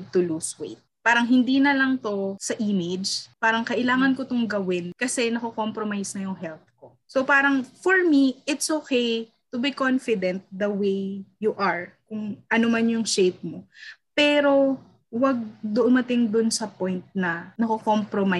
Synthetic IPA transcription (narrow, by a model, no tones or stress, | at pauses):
t̪ʊluswḛjt̪̚paːɾɐŋɦɪnd̪iːnɐlɐŋt̪o̞sɐʔimed͡ʒpaːɾɐŋkɐʔɪlaːŋɐnkot̪oŋɡɐwɪnkɐsɛnɐkokompɾomajsnɐjʊŋɦɛlp̚ko | sopaːɾɐŋfoɹmiʔɪt̪sʔokej | t̪ʊbikonfɪd̪ɛ̃nt̪̚d̪ɐwejjuʔɐɹkʊŋʔɐnomɐnjʊŋʃejp̚mopɛːɾo̞ | wɐɡ̚d̪ʊʔʊmɐt̪ɪŋd̪ʊnsɐpojnt̪̚nɐnɐkokompɾoma